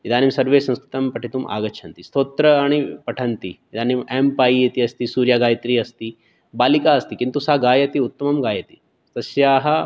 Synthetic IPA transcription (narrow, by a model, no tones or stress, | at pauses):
id̪aːnimsɐɾʋeːsɐ̃nskɾit̪ɐmpɐʈit̪umʔa̰ːɡɐʃʰɐnt̪ist̪oːt̪ɾɐɐɳ̃ipɐʈʰɐnt̪iid̪aːnimempaːjiɐt̪iɐst̪isuːɾjaːɡaːjt̪ɾiːɐst̪i | baːlikaːɐst̪ikint̪usaɡaːjɐt̪iut̪ːɐmɐmɡaːjɐt̪i | t̪ɐsjaːɦɐ